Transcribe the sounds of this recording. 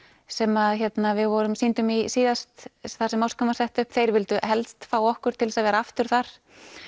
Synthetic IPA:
sɛmaðçɛt̪navɪðvɔɾʏmsint̪ʏmisiːðast̪θasɛmːawskamasɛht̪ʏhpθejɾvɪlt̪ʏɦɛlt̪st̪faːwɔhkʏɾ̥t̪ʰɪlsaðvɛːɾaaft̪ʏɾ̥θaɾ̥

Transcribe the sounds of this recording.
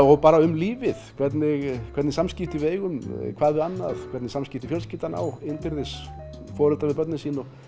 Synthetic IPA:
ɔɣpaːɾaʏmliːvɪðkʰvɛt̪nɪɣkʰvɛɾt̪nɪsamscɪft̪ɪveːjɣʏmkʰvaːðɪanːa̰ðkʰvɛɾt̪nɪsamscɪft̪ɪ̥fjœlscɪft̪ana̰ːwɪnpɪɾðɪs | fɔːɾɛlt̪avɪɾpœt̪nɪsiːnɔɣ

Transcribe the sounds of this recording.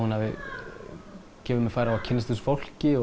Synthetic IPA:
hunhavɪ | cɛːvʏmɛfajɾaacʰɪnːast̪ʏsfowl̥cɪ

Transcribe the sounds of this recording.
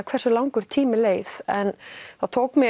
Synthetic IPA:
kʰvɛɾ̥sʏlawŋkʏɾ̥t̪ʰiːmɪleːjθɛnθaðt̪ʰoːwkmɪ

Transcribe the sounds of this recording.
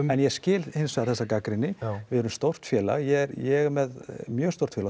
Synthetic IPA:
ɛnjɛ̥scɪːlhɪnsvɛaðθɛsːakakɾɪnːɪvɪðɛɾʏmst̪owr̥t̪fjɛːla̰ɣjɛɾjɛɣmɛðmjœːɣ̥st̪owr̥t̪fjɛla

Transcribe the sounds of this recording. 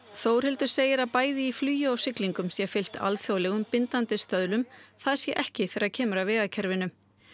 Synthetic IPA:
θowr̥hɪlt̪ʏ̥seːjɪɾapaːjðɪiflyːjʏawsɪkliŋkʏmsjɛfɪl̥t̪ʰa̰lθjowlɛɣʏmpɪnt̪ant̪ɪst̪œðlʏmθaðɛɾsjɛʔɛhcɪθɛːɾacʰɛːmʏɾavɛːɣacʰɛɾvɪnʏm

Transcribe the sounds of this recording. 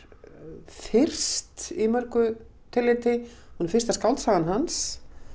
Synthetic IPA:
fɪr̥st̪imœɾkʏ | t̪ʰɪlːɪːt̪ɪ | hunɪɾfɪ̥rst̪askawlt̪saːɣðanɦans

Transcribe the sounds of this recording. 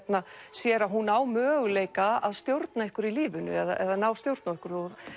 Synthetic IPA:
t̪nasjɛɾaðɦunaːwmœːɣʏleːjkaaðst̪jowɾt̪naehkʏɾiliːvʏnʏ̰ɛða̰ʔɛðaðnaːwst̪jowɾt̪naehkʏɾɔð

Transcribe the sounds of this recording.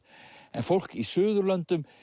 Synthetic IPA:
ɛ̰nfowl̥kisʏːðʏɾlœnt̪ʏm

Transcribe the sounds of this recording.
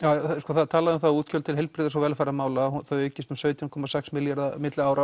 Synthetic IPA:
aːskɔːθaðt̪ʰaːlaðʏmθauːt̪cʰœlt̪ɪlɦɛlpɾɪðasawvɛlfaɾamaːwlaθœɥʏːcɪst̪ʏmsœːɥt̪jɔnkʰɔmasɛksmɪljaɾðamɪt̪laaːwɾa

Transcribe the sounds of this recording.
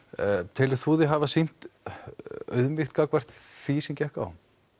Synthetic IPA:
t̪ʰɪlɪθuːðɪɦavasin̥t̪ | œ̰ðmɪxt̪̚kakvɛr̥t̪θisɛmcɛhka̰wham

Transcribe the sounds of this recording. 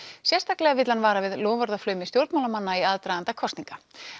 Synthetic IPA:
sjɛrst̪ʰaklɛɣavɪt̪lanvaːɾavɪðlɔːvaɾðaflœːɥmɪst̪jowɾt̪mawlamanːaiaðt̪ɾajðant̪akʰɔsnĩŋka

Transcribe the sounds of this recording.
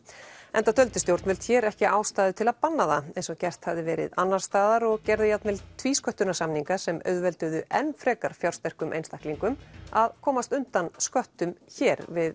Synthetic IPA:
ɛnt̪at̪ʰœlt̪ʏst̪jowɾt̪vɛlt̪çɛɾɛhcɪaːwst̪aːðʏt̪ʰɪlaðpanːaðaɛensɔcɛr̥t̪havðɪvɛːɾɪ̰ðanːaɾ̥st̪aːðaɾɔɣcɛɾðɪjat̪nvɛlt̪ʰviːskœht̪ʏnasamniŋkasɛmœ̰ɥðvɛlt̪ʏɣðʏʔɛnfɾɛːkaɾ̥fjawrst̪ɛr̥kʏmʔḛjnst̪ahkliŋkʏmaðkʰɔːmast̪ʏnt̪anskœht̪ʏmçɛɾvɪð

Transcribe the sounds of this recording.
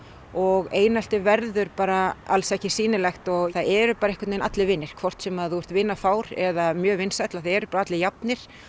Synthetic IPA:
ɔɣeːjnal̥t̪ɪvɛɾðʏɾpaːɾaalsɛhcɪsiːnɪlɛxt̪ɔɣθaðɛɾʏpaːɾaɛhkat̪nejnat̪lɪvɪnːɪɾ̥kʰvɔr̥t̪sɛmaðθuvɛɾ̥t̪vɪnːafaːwɾɛðamjœːvɪnsajt̪laθaðɛɾʏpaːɾaat̪lɪjapnɪɾ̥

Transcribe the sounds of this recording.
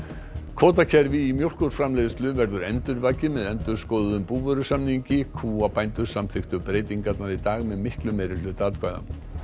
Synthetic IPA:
kʰvɔːt̪̬acʰɛɾvɪːmjowl̥kɔɾ̥fɾamlejðst̪lʏvɛɾðʏɾɛ̰nt̪ʏɾvaːcɪmɛðɛnt̪ʏɾ̥skowðʏðʏmpuːvœɾʏsamniɲcɪkʰuːapajnt̪ʏɾ̥samθɪxt̪ʏpɾeːjt̪iŋkat̪naɾit̪aːɣmɛðmɪhklʏmejɾɪlʏːt̪aːt̪kʰvajða̰m

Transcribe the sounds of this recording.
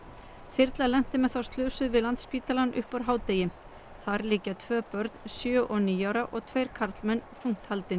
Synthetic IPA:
fɪɾt̪lalɛn̥t̪ɪmɛðθawst̪lʏːsʏðvɪðlant̪spiːt̪alanːʔʏhpaɾɦaːwt̪ejɪm | θaɾliːcat̪ʰvœːpœɾt̪nsjœːʔɔniːjawɾaʔɔɣt̪ʰvejɾkʰaɾt̪lmɛnθuŋ̥t̪halt̪ɪn

